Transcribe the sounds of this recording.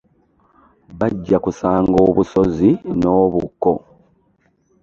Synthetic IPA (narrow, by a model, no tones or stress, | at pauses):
βaɟːakusaːŋɡo̞ːβuso̞zino̞ːβukːo̞